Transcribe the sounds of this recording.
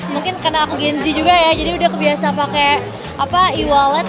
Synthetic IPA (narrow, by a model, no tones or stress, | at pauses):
səmuŋkɪnkərnaːkuɡɛnzid͡ʒuɡajad͡ʒadiudahkəbiasaŋpakɛ | apaiwalan